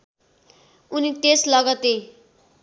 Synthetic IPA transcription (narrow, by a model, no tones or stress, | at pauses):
uniʈeslʌɡʌt̪e